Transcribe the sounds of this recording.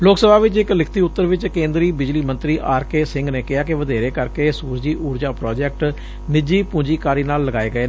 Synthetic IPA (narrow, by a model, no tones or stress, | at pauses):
loːksəbaːʋɪt͡ʃɪklɪkʰt̪iːʊt̪ːəɾʋɪt͡ʃkẽːnd̪ɾiːbɪd͡ʒliːmə̃nt̪ɾiːʔaːɾkeːsɪ̃ŋɡneːkɪaːkeʋəd̪eːɾeːkəɾkeːsuːɾd͡ʒiːʔuːɾd͡ʒaːpɾɔːd͡ʒɛːk̚ʈ | mɪd͡ʒiːpũːd͡ʒiːkaːɾiːnaːlːəɡaːeːɡəeːnː